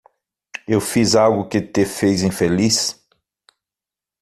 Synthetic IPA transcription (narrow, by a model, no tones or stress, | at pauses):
ewfizawɡʊkɪt̪efejzĩfelis